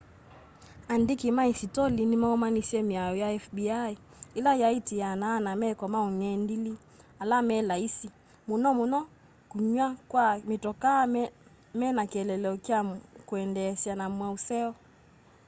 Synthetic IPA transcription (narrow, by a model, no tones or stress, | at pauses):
andikimaisitɔlinimaɔmanisiɛmiajɔjaɛfbiai | ilajaitijanaːnamɛkɔmauɲɛndili | alamɛlaisi | munɔmunɔ | kuɲwakwamitɔka | mɛnakɛlɛlɛɔkiakuɛndɛsjanamwausɛɔ